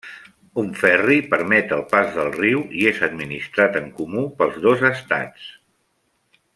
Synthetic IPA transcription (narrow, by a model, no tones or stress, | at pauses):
uɱfɛripəɾmɛt̪əlˠpazðəlˠriwiezəd̪minist̪ɾat̪əŋkumupəlˠzðozəst̪a̰t͡s